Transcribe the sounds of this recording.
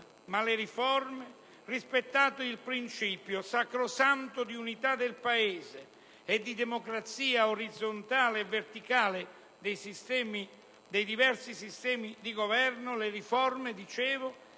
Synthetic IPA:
malɪɾifɔrmɪ | rispet̪ːaːt̪ʊilpɾint͡ʃipjʊsakɾʊsant̪ʊd̪iunit̪ad̪ːɪlpaeːzɪː | d̪ːid̪emokɾat̪siːaoɾid̪zːont̪aːleɛvːert̪ikaːlɪ | d̪ɛjsist̪ɛmi | d̪ejd̪ivɛrsisist̪ɛːmid̪iɡovɛrnʊlɪrifɔrmed̪it͡ʃɛːvʊ

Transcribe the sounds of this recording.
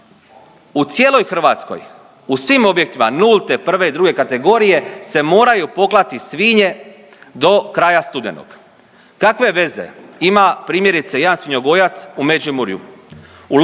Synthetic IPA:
ut̪sje̞ːlo̞jxr̩ʋaːt̪sko̰j | usʋimo̞bje̞k̚t̪imanulˠt̪epr̩ʋe̞id̪ɾuɡe̞kat̪e̞ɡo̞ːɾije̞se̞mo̞ːɾajupo̞ɡlˠat̪isʋiːɲe̞ | d̪o̞kɾaːjast̪ud̪ḛno̰ɡ̥ | kakʋe̞ʋe̞ze̞̰imapɾiːmje̞ɾit̪se̞jaːnsʋiɲo̞ɡo̞jat̪sume̞d͡ʒimuɾjṵ | ul

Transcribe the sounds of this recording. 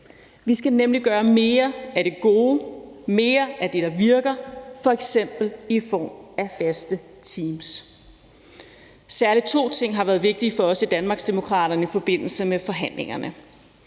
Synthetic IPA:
ʋisɡ̥ænemliɡ̥ɶːɐme̝ːɐæɾ̥e̝ɡ̥o̝ːme̝ːɐʔæd̥e̝ɾ̥ɑ̈ʋiɐɡ̥ɐfɒ̽eɡ̥sem̰b̥l̩ifɒ̰ːmæfæsd̥ə | t͡sʰiːms | sæɐlit͡sʰo̝̰ːt͡sʰe̝ŋ̰ɦɑ̈ʋæːɐðˠʋe̝ɡ̥̚d̥iːfɒ̽ɒ̽sid̥ænmɑ̈ːɡ̥sd̥e̝mo̝kʰʁɑ̰̈ːɾ̥ɐnəifɒ̽b̥e̝n̰l̩səmefɒ̽ɦæn̰le̝ŋɐnə

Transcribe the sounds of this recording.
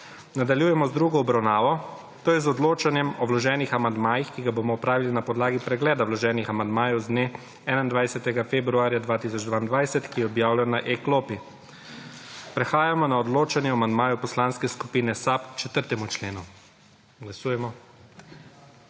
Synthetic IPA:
nad̪aljuːjɛmɔzd̪ɾuɡɔɔbɾawnaːʋɔ | t̪oːjɛzɔd̪loːt͡ʃanjɛmɔwlɔʒɛːnixamand̪maːjixkiɡaboːmɔɔpɾaːʋilinapɔd̪laːɡipɾɛɡlɛːd̪awlɔʒɛːnixamand̪maːjɔwzd̪ne | ɛːnaind̪ʋajsɛt̪ɛɡafebɾuaːɾjad̪ʋaːt̪isɔd͡ʒd̪ʋaːind̪ʋajsɛt̪kijɛɔbjaːwlajɔnaʔekloːpi | pɾɛxaːjamɔnaɔd̪loːt͡ʃanjɛɔamand̪maːjupɔslanskɛskupiːnɛsapt͡ʃɛt̪əɾt̪ɛmut͡ʃleːnu | ɡlasuːjɛmɔ

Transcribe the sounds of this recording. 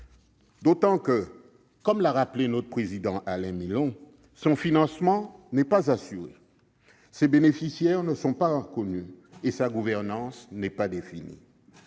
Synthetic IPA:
d̪ot̪ɑ̃kə | kɔmlaʁaplenɔt̪χpχezid̪ɑ̃ʔalɛ̃milɔ̃ | sɔ̃finɑ̃smɑ̃nɛpazasyʁḛ | sɛbenefisjɛʁnəsɔ̃paəkɔny | esaɡuvɛʁnɑ̃snɛpad̪efinḭ

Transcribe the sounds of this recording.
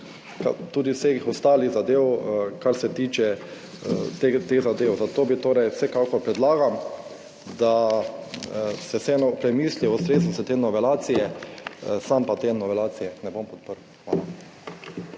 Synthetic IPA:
ka̰t̪uːd̪isexɔst̪aːliɣzad̪eːwkaɾsɛt̪iːt͡ʃɛ | t̪et̪eɣzad̪eːwzat̪oːbit̪oːɾɛjwsɛkakɔɾpɾɛd̪laːɡam | d̪a | sɛsɛɛnɔpɾɛmiːsliɔst̪ɾeːzosɛt̪eːnɔʋɛlaːt̪sijɛ | sampat̪eːnɔʋɛlaːt̪sijɛnɛbompɔt̪̚pəɾwxʋaːla

